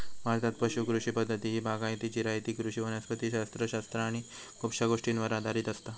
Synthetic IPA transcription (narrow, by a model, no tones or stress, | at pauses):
mat̪at̪̚pəɕukɾuʂipəd̪ʱːət̪iːɦiːbaɡãjt̪id͡ʑiɾajt̪iːkɾuʂiʋənəspət̪iːɕast̪ɾəɕast̪ɾaːɽ̃i | kupɕaɡoʂʈinʋəɾad̪ʱaɾiːt̪əst̪a